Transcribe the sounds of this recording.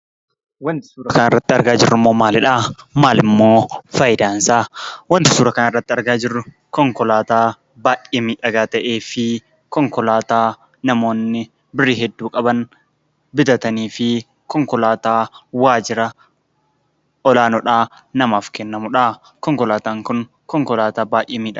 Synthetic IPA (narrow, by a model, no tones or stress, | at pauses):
wɐnt̪ɪ̥suːɾɐkɐnɪrːɐt̪ːɪɐɾɡaːd͡ʒɪrːʊmːoːmaːlɪᶑaːmaːlɪmːo̞ːfɐjɪd̪aːnsaːwɐnt̪ɪsuːɾɐkɐnɪrːɐt̪ːɪɐɾɡaːd͡ʒɪrːʊ | kɔŋkɔlaːt̪aː | baːʔeːmiːᶑɐɡaːt̪ɐʔeːfɪ | kɔŋkɔlaːt̪aː | nɐmo̞ːnːɪ | bɪrːiːɦɛd̪ːuːkʼɐbɐn | bɪd̪ɐt̪ɐniːfɪ | kɔŋkɔlaːt̪aːwaːd͡ʒɪɾɐ | ɔlaːnɔᶑaː | nɐmaːfkɛnːɐmʊᶑaː | kɔŋkɔlaːt̪aːŋkʊn | kɔŋkɔlaːt̪aːbaːʔɪmiːᶑɐ